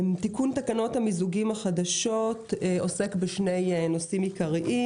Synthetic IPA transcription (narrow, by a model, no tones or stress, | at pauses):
t̪ikunt̪akano̞thamizuɡimaχad̪aʃo̞tʔo̞se̞kbeʃne̞jno̞simjikaʁiʔi